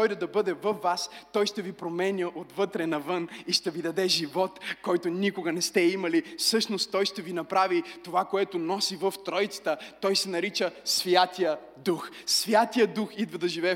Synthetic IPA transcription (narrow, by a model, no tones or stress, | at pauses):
ɔjd̪əd̪ɐbɤd̪ɛvəfːast̪ɔjʃt̪ɛvipɾomɛnʲjəʔot̪vɤt̪ɾɛnɐvɤniʃt̪ɛvid̪ɐd̪ɛʒivɔt̪kɔjt̪onikoɡɐnɛst̪ɛimɐlifsɤʃnost̪ːɔjʃt̪ɛvinɐpɾavit̪ovakoɛt̪ʊnɔsivəft̪ɾɔjt̪sə̥t̪ət̪ɔjsɛnɐɾit͡ʃəsvjat̪ijə | d̪ux | svʲjat̪ijəd̪uxid̪vɐd̪ɐʒivɛ